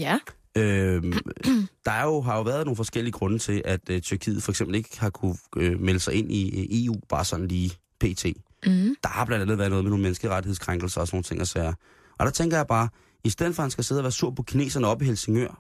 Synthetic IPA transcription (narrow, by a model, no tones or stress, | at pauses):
ø | d̥ɑ̈æɐjo̝ɦɑ̈jo̝ʋæːɐð̞ˠno̝ːn̩fɒsɡ̥el̰iəɡ̥ʁɔ̽nət͡sʰe̝lʔæd̥t͡sʰyɐkʰḭːð̩ˠfɒ̽eɡ̥semb̥l̩e̝ɡ̥hɑ̈kʰuømeləsɑ̈ɪe̝n̰ʔie̝̰ːṵːb̥ɑ̈ːsɒ̽nn̩liː | pʰe̝̰ːt͡sʰe̝̰ː | d̥ɑ̈hɑ̈b̥lænd̥ænð̩ˠæɐðnɔ̽ːðˠeno̝ːnmenəsɡ̥əʁadɾiheskʰʁaŋɡ̥l̩sɐsno̝ːn̩t͡sʰe̝ŋʔɐsæːɐ | ʔɒ̽d̥ɑ̈t͡sʰeŋɡ̥ɐjɑ̈ɪb̥ɑ̈ː | isd̥eð̰̩ˠfɒ̽hænsɡ̥æse̝̰ð̞̩̰ˠʋæːɐsuɐ̰pʰɒ̽kʰine̝̰ːsɐnəɒ̽b̥iɦelse̝ŋjøɐ̰